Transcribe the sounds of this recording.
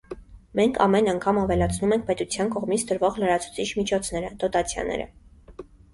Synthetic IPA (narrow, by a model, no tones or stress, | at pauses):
mɛŋkʰɑ̰mɛnɑŋkʰɑmɑvɛlɑt͡sʰnumɛŋk̚ʰpɛt̪ut͡sʰjɑnkɔʁmit͡sʰd̪əɾvɔʁləɾɑt͡sʰu̥t͡sʰit͡ʃʰmit͡ʃʰɔt͡sʰn̪ɛɾəd̪̥ɔt̪ɑt͡sʰjɑ̰nɛ̰ɾə̰